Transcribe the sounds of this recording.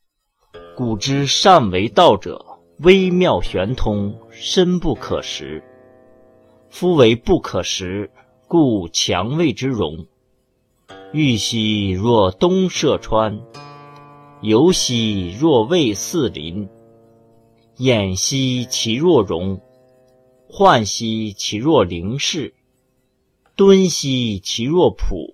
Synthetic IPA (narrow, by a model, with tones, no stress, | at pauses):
ku˨˩ʈ͡ʂɻ̩˥ʂa˥˩nwe˧˥ɪt̪ɑ˥˩ʊʈ͡ʂɤ̰˨˩ | we˥ɪmjɑ˥˩ʊɕɥɛ˧˥nt̪ʰʊ˧˥ŋʂə˥npu˥˩kʰɤ̰˨˩ʂɻ̩˧˥ | fu˥we˧˥ɪpu˥˩kʰɤ˨˩ʂɻ̩˧˥ | ku˥˩˧t͡ɕʰjɑ̰˧˥ŋwe˥˧ɪʈ͡ʂɻ̩˥ɻʊ̰˧˥ŋ | y˥˩ɕi˧˥ɻwɔ˥˩t̪ʊ˥ŋʂɤ˥˩ʈ͡ʂʰwa˥n | jo˧˥ʊɕi˥ɻwɔ˥˧we˥˧ɪsɹ̩˥˩lḭ˧˥n | jɛ˨˩nɕi˥t͡ɕʰi˧˥ɻwɔ˥˩ɻʊ˧˥ŋ | xwa˥˩nɕi˥t͡ɕʰi˧˥ɻwɔ˥˩li˧˥ŋʂɻ̩˥˩ | t̪wə˥nɕi˥t͡ɕʰi˧˥ɻwɔ˥˩pʰṵ˨˩˦